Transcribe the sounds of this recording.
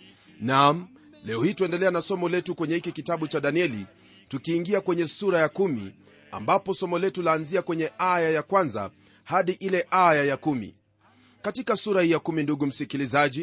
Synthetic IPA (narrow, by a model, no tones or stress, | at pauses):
nam̩ | lɛɔhiːtuɛndɛlɛanasɔmɔlɛtukwɛɲɛhikikitaɓut͡ʃaɗaniɛli | tukiːŋɡiakwɛɲɛsuɾajakumḭ | a̰mbapɔsɔmɔlɛtulaːnziakwɛɲɛʔajajakwanza̰ | haɗiʔilɛʔajajakumḭ | katikasuɾahijakuminduɠum̩sikilizaʄi